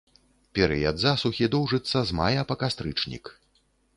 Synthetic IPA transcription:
pʲɛɾɨ̰jad̪zasuxʲid̪ɔwʐɨt̪sːɐzma̰jɐpɐkast̪ɾɨt͡ʂnʲḭk

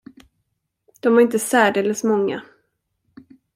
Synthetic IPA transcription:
d̪̥ɔmvaɾɪnt̪əsæːɖelːəsmɔŋːa̰

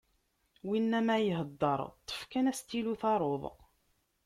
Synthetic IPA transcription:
winːæmæjəɦəd̪ːəɾˤt̪ˤːə̥fkænæst̪ːiluθɑɾˤoðˤ

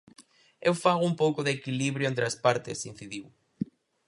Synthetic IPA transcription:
ewfaɣʊumpowkʊðekiliβɾjoẽnt̪ɾɪɐspaɾt̪ɪsin̟θiðiw

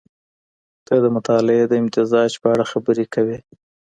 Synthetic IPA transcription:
t̪ad̪əmʊt̪ɑlɪed̪əɪmt̪ɪzɑd͡ʒpəaɽaxabəɾekawe

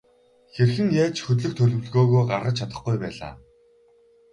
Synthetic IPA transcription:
xerxɘ̆ŋjaːt͡ɕxɵt̪̬ɮɵ̆k̚t̪ʰɵɮɵ̆w̆ɮɣoːɣoːɢa̰ɾʁə̆t͡ɕʰat̪ə̆χɡujpæ̰ːɮa̰ː

